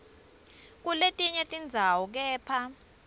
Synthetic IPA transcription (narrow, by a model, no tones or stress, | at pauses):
k̬uletʼiɲɛtʼind͡zʱawɔk̬ɛːpʰa